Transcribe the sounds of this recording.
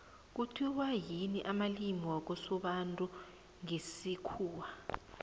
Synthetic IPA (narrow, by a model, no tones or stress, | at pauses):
k̬utʰiwajiniʔamalimiwak̬usuɓantʼu | ŋisikʰuːwa